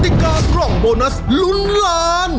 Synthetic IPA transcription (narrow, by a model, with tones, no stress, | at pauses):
t̪i˨˧˩kaː˧klɔ˨˩ŋboː˧na˦˥slu˦˥nlaː˦˥n